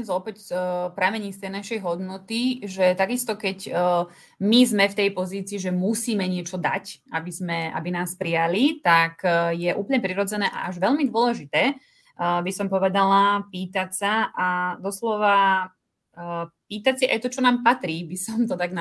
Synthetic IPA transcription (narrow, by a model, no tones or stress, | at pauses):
zɔpɛcpɾamɛɲiːst̪ɛjnaʃɛjɦɔd̪nɔt̪iʒɛt̪aɡist̪ɔkɛc | mizmɛft̪ɛjpɔziːt͡siːʒɛmusiːmɛɲɪɛt͡ʃɔd̪a̰cabizmɛʔa̰binaːspɾijalit̪akjɛʔuːpl̩ɲɛpɾiɾɔd͡zɛnɛːʔa̰ʔaʒʋɛʎmid̪ʋʊɔlɛʒit̪ɛː | bisɔmpɔʋɛd̪alapiːt̪acsaʔad̪ɔslɔʋa | piːt̪acsiʔa̰jt̪ɔt͡ʃɔnaːmpat̪ɾiːbisɔmt̪ɔt̪aɡn